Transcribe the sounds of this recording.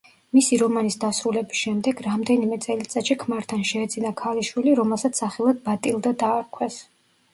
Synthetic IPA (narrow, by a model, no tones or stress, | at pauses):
misiɾɔmanisd̪asɾulɛbisʃɛmd̪ɛɡɾamd̪ɛnimɛt̪sʼɛlit̪sʼat̪ʃikʰmaɾt̪ʰanʃɛːd̪zinakʰaliʃwiliɾɔmɛlˠsat̪sʰaχɛlˠad̪̚bat̪ʼilˠd̪ad̪aːɾkʰwɛs